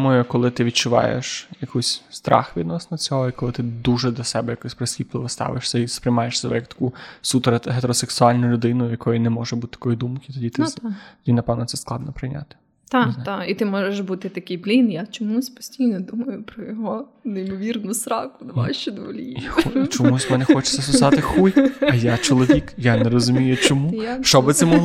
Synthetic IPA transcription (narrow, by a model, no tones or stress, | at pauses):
umɔjʊkɔlˠɪt̪ɪʋʲid̪̚t͡ʃʊʋɑ̰jḛʃjɐkʰusʲst̪ɾʔɑ̰xʋʲid̪nɔsnɔɔt͡sʲɔɦɔikɔlˠɪt̪ɪd̪uʒɛd̪lʲɐsɛbɛjɐkusʲpɾesʲʋʲip̪lˠɪʋɔst̪ɑ̰ʋɪʃsʲɐispɾɪjmɑjeʃsebɛ̰jɐk̚t̪ɐ̥kusupeɾɦet̪eɾɔseksʊɑlʲnʊlʲʊd̪ɪnʊjjɐkɔjʊnɛmɔʒɛbut̪ɪ̥t̪ɐ̥kɔjid̪umkɪt̪ɔdʲit̪ɪt̪ɔdʲinɐpɛwnɔt̪sɛsklˠɑd̪nɔpɾɪjnʲa̰t̪ɪ̥ | t̪ɑait̪ɪmɔʒeʃbut̪ɪt̪ɐkɪjblʲinjat͡ʃɔmusʲpɔ̥sʲtʲijnɔd̪umɐjʊpɾɔjɔɦɔ | neimɔʋʲirnʊsɾɑkʊd̪ʋa̰ʃt͡ʃɔd̪ʋlʲijaxɔt͡ʃɔmusʲmɛnɛxɔt͡ʃe̥sʲɐsʊzɑt̪ɪxujʲɐjat͡ʃɔlˠɔʋʲikjaneɾɔzʊmʲijʊt͡ʃɔmujʃt͡ʃɔbbɪt̪sɛmɔɦˠ